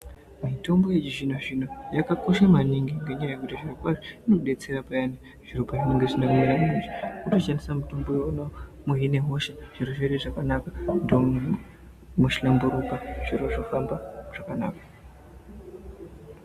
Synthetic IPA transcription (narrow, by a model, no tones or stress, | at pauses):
mito̞mbo̞jet͡ʃiʐinoʐinojakako̞ʃamaniŋɡiŋɡe̞ɲajaje̞kutiʐirokwaʐiinouɗe̞t͡se̞ɾapajane | ʐ̥iropaʐineŋɡeʐinamuiranineʐikutoʃanisamito̞mboono | muɦine̞ɦo̞ʃeʐ̥iroʐereʐakanakandoo | muʃilambuɾukaʐ̥iɾoʐofambaʐ̥akana̰ːkḁ